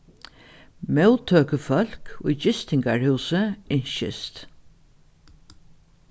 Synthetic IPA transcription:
mɛwt̪ʰøːkəfœl̥kʊjd͡ʒɪst̪ɪŋkaɹhʉːsəɪɲʃɪ̰st̪

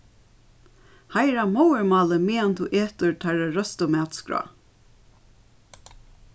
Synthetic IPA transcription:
hajɾamɔwəɹmɑːləmiːɛnt̪ʰuːʔeːt̪ʊɹt̪ʰaɹəɹœst̪ʊmæːt̪skɹa̰

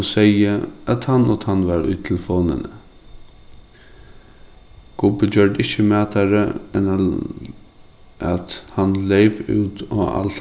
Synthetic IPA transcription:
sɛɪəat̪hanɔt̪hanːʋɑɾʊ̰ʏt̪t̪ʰɪlfoːnə̰nə | ɡ̥ʊbəd͡ʒœɹd̪ɪçəmæːt̪ʰaɾə̰ɛn | ʔat̪hanleɪpʉ̰ːt̪ɔa̰l

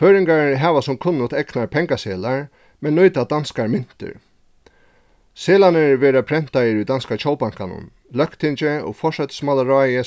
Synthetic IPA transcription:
føːɾɪŋkaɹɦɛːʋasʊmkʰʊnːʊt̪ɛknaɾpʰɛŋkaseːlaɹ | mɛnːujt̪ad̪anskaɹmɪn̥t̪ɪ̰ɾ | seːlanɪvɛːɾapʰɾɛn̥t̪ajɪɾujd̪anskat͡ʃoːwpaŋ̥kanʊ̰n | lœhkt̪ʰɪnt͡ʃɪɔ̰ɡfɔʂɛt̪smalaɾaːjɪ

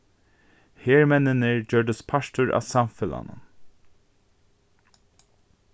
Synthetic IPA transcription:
heːɹmɛnənəɹd͡ʒøːɖəspʰaʃt̪ʊɹʔa̰ːsɑmfɪla̰nə̰

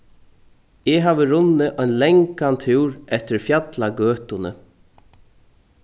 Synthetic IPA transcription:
ɛɦaːʋəɾʊnːəʔɔjnlɛŋkant̪ʰʉːɾɛht̪ɪɾfjat̪laɡøːt̪ʊnə̰

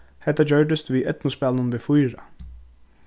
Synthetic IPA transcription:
hɛt̪ːad͡ʑœɹɖ̪ɪst̪ʋiʔɛt̪nʊspæːlnʊnʋɪfujɹa̰

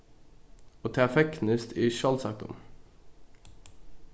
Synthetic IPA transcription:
oːt̪ʰɛːɑfɛknəst̪ʰiːʃɑlsɑk̚t̪ʊ̰n

